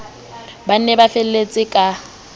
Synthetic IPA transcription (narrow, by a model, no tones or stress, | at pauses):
ban̩nɛbafɛl̩let͡sʼɪkʼa